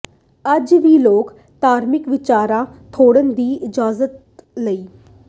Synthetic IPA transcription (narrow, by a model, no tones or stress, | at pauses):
əd͡ʒʋiːloːk | t̪aːɾmɪkʋɪt͡ʃaːɾãːt̪ʰoːɽənd̪iːɪd͡ʒaːzət̪̚ | ləiː